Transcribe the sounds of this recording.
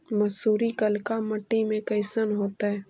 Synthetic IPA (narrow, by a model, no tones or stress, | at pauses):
mɐsuːɾikəlkamɐʈːimẽkəɪsənɦoːt̪aɦɛː